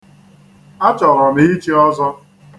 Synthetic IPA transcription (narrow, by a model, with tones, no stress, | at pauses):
a˦t͡ʃɔ˨ɾɔ˨ni˦i˦t͡ʃi˦ɔ˦zɔ˦